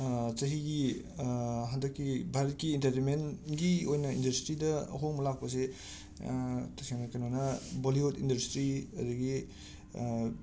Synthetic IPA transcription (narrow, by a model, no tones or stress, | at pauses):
t͡ʃɐɦiɡi | ɦandɐkːibʱaɾɐt̚kiːntɐɾtenmenɡiojnɐindɐstɾidɐɐ̰ɦoŋmɐlak̚pɐs̬e | tɐseŋnɐkanonɐboliotindɐɾstɾiɐ̰duɡi